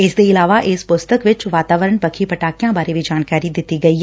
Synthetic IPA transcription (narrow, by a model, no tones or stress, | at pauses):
ɪsd̪eɪlaːʋaʔɪːspʊst̪əkʋɪt͡ʃʋaːt̪aːʋəɾəɳpɐkʰipɐʈaːkijãbaːɾebʱid͡ʒaːnkaːɾid̪ɪt̪iɡɐiːɦ